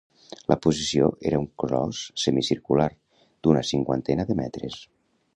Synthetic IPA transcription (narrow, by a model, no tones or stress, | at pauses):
lʔəpuzisioʔeɾəuŋkɾɔ̰sːəmisiɾkulaɾ | d̪unəsiŋkwa̰nt̪ɛnaðəmɛ̰t̪ɾəs